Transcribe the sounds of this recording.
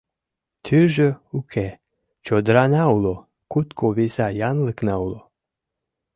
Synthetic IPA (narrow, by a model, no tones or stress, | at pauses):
t̪ʰyʒøukʰe | t͡ʃod̪ɾanawlo | kut̪kʰoβisajanlɨknawlo